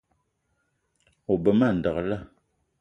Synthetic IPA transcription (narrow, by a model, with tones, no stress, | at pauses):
o˨bə˨ma˦˨n̩˨də˨ɣə˨la˦˨